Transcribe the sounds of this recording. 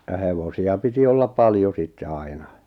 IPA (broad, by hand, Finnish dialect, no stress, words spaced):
jɑ heʋosiɑ piti olːɑp pɑljo sitːe ɑinɑ